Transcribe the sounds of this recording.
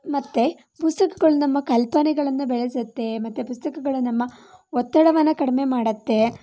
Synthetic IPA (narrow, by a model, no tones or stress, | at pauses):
mɐt̪ːe | pust̪ɐkɐ̥ɡɐɭunɐmːɐkɐlpɐnɛɡɐɭɐnːubɛɭesɐt̪ːe̞mɐt̪ːepust̪ɐkɐɡɐɭunɐmːɐɔt̪ːɐɽɐʋɐnːɐkɐɽɐme̞maːɽɐt̪ːe̞